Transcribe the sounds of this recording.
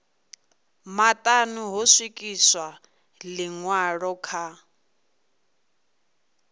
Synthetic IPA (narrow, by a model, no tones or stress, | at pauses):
matʼanuɦɔswikʼiswa | lɪŋwaɺɔkʰa